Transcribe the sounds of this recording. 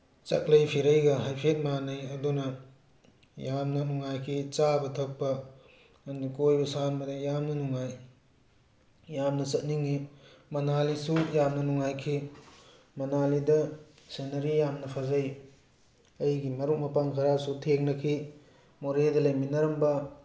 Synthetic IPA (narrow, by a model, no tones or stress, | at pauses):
t͡ʃɐ̰k̚lɐjpʰiɾɐjɡɐɦajpʰet̚manɐjɐdunɐ | jamnɐnuŋajkʰit͡ʃabɐtʰɐk̚pɐ | nikojbɐsanbɐdɐjamnɐnuŋaj | jamnɐt͡ʃɐt̚niŋːimɐnalisujamnɐnuŋajkʰi | mɐnalidɐ | senɐɾijamnɐpʰazɐj | ɐjɡimɐɾuk̚mɐpaŋkʰɐɾasutʰeŋnɐkʰi | moɾedɐlɐjminɐɾɐmbɐ